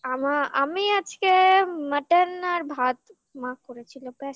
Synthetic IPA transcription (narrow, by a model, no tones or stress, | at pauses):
amaʔamiad͡ʑkeməʈenːaɾbʱat̪ | mãkoɾet͡ɕʰilopɛ